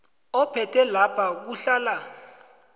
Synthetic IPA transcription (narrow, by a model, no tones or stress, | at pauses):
ɔpʰɛtʰʼɛlapʰak̬uɬaːla